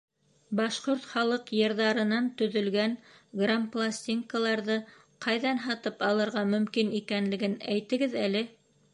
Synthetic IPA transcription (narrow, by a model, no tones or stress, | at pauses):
bɑʃqoɾt̪χɑlˠɤqjɤ̆ɾðɑɾɤ̆nɑnt̪ɵ̆ðɵ̆lɡæŋɡramplˠasʲt̪ʲiŋkəlˠɑɾðɤ | qɑjðɑnɦɑt̪ɤpɑlˠɤ̆ɾʁɑmɵ̆mkinikænlɘ̆ɡɘnæjt̪ɘ̆ɡɘðælɘ